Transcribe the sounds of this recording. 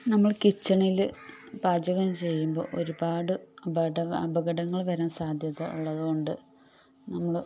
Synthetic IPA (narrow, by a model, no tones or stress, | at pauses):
nɐmːɐɭkit͡ɕːɐɳil | baːd͡ʑɐɣɐmt͡ɕe̞jːumbo̞̰ːʔoɾubaːɽɨɐɐ̰bɐɣɐɽɐŋːɐɭʋɐɾeːsaːd̪ʱjɐðɐuɭːɐðuɣo̞ɳɖɨ | nɐmːɐɭ